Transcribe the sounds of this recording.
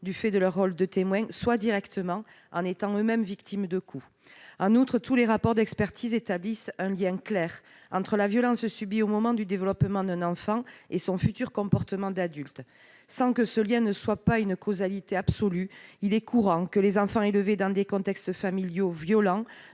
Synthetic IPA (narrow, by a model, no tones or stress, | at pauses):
d̪yfɛd̪əlœʁːɔld̪ət̪emwɛ̃swad̪iʁɛkt̪əmɑ̃ | ɑ̰̃net̪ɑ̃ømɛmvikt̪ʰimd̪əkʰu | ɑ̃nut̪χət̪uleʁapɔʁd̪ɛkspɛʁt̪ʰizet̪ablisɛ̃ljɛ̃klɛʁ | ɑ̃t̪χəlavjɔlɑ̃ssybiomɔmɑ̃d̪yd̪evəlɔpmɑ̃d̪ɛ̃nɑ̃fɑ̃esɔ̃fyt̪yʁkɔ̃pɔʁt̪əmɑ̃d̪ad̪ylt̪ | sɑ̃kəsəljɛ̃nəswapaynkʰɔzalit̪eabsɔlyilɛkuʁɑ̃kəlezɑ̃fɑ̃eləved̪ɑ̃d̪ekɔ̃t̪ɛkst̪familjovjɔlɑ̃